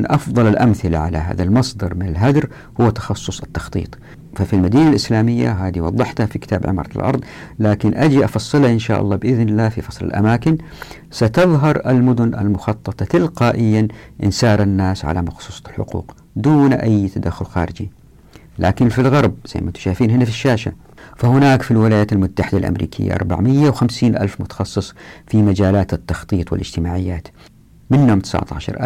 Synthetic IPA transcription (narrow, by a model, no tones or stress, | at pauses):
ʔɑfðˤɑlalʔamθɪla̰ʕalaɦa̰ːðalmɑsˤd̪ɑɾˤmɪnalɦad̪ɾ | hʊwːat̪ɑ̥xɑsˤːʊsˤɪt̪ːɑ̥xt̪ˤḭːt̪ˤ | fafilmad̪iːnalʔɪslaːmɪjːa̰ɦaːd̪iwɑðˤːɨħt̪hafikɪ̥t̪aːbʕɪ̰mɑ̰ɾˤɑlʔɑ̰ɾˤðˤlaːkɪnʔad͡ʒiʔɑfɑsˤːɨlaʔɪnʃaːʔɑ̰lˤːɑːbɪʔɪðnɪlaːfifɑsˤlɪ̰lʔa̰maːkɪn | sat̪ɑðˤɦɑɾˤʔalmʊd̪ʊnʔa̰lmʊxɑt̪ˤːɑt̪ˤɑt̪ɪlqaːʔɪjːanʔɪnsɑːɾˤanːaːsʕa̰lamɑxsˤuːsˤɑlħʊ̰qṵːq | d̪uːnʔajːt̪ad̪axːʊlxa̰ːɾɪd͡ʒi | lʔa̰ːkɪnfilɣɑɾˤbz̥a̰jmʔat̪ʃaːfiːnɦɪnːafiʃːaːʃa̰ | fahʊnaːkfilwɪlaːjaːt̪almʊt̪ːaħɪd̪alʔa̰mɾḭːkʰɪ̰jːa̰ʔɑ̰ɾˤba̰ʕmɪjːawxamsiːnʔalfmʊt̪ɑ̥xɑsˤːɨsˤfimad͡ʒaːlaːt̪ɪt̪ːɑxt̪ˤiːt̪ˤwɪ̰lʔɪd͡ʒt̪ɪmaːʕɪjːaːt̪ | mɪnːʊmt̪ɪ̥sʕt̪ɑ̰ːʃɑ̰ɾˤʔa